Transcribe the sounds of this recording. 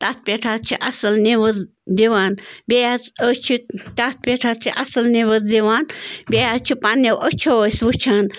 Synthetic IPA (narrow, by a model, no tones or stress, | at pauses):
t̪at̪̚pʲeʈʰat͡ʃʰiʔɐsɨlniʋəz | d̪iʋaːnbʲejat͡sət͡ʃʰit̪at̪̚pʲeʈʰat͡ʃʰiʔɐsɨlneʋəzd̪iʋaːnbʲejat͡ʃʰipanewʔət͡ʃʰoəsʋut͡ʃʰaːn